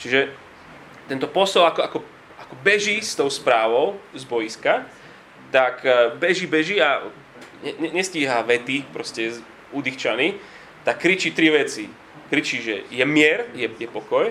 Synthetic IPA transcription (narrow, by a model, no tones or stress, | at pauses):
t͡ʃiʒɛ | t̪ɛnt̪ɔpɔsɔlakɔakɔ | akɔbɛʒist̪ɔʊspɾaːʋɔʊzbɔjiska | t̪akbɛʒibɛʒia | ɲɛɲɛɲɛsciːɦaʋɛt̪ipɾɔscɛ | ud̪ixt͡ʃani | t̪akːɾit͡ʃit̪ɾiʋɛt͡si | kɾit͡ʃiʒɛ̰jɛmɪɛɾjɛjɛpɔkɔj